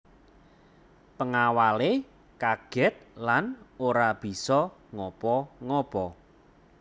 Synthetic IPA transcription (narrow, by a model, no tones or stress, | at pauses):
pəŋawale | kaɡ̥ɛt̪̚lanoɾab̥i̤sɔŋɔpɔŋɔpɔ